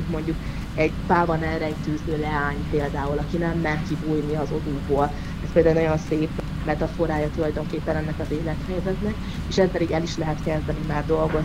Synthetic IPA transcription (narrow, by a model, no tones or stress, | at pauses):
mo̞ɲɟuk | ɛɟt̪aːvɒnɛlɾɛɛɟt̪yːzøːlɛaːɲpeːld̪aːulɒkinɛmːɛnkibuːjniɒzo̞d̪uːɡboːl | ɛspeld̪aːunɒjo̞nseːp | mɛt̪ɒfo̞ɾaːjɒt̪ulɒjd̪o̞ŋkeːpːɛnɛnːɛkɒzeːlɛt̪hɛjzɛt̪nɛk | eːʃɛspɛd̪iɡɛliʃlɛɦɛt̪kɛzd̪ɛnimaːrd̪o̞lɡo̞